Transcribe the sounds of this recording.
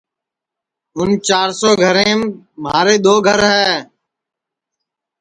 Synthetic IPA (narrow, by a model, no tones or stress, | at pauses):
ʊnt͡ʃaːɾsoːɡʱəɾẽːm | maːɾeːd̪oːɡʱəɾɦɛː